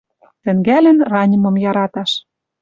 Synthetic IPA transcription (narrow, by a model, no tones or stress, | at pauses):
t̪ɘ̆ŋɡælɘ̆nrɑnʲɤ̆mɤ̆mjɑɾɑt̪ɑʃ